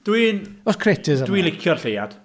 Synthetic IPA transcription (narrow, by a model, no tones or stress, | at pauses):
d̥wiːnɔskʰretʰɪzdwiːnlɪkʰjɔrɬeja̰d̥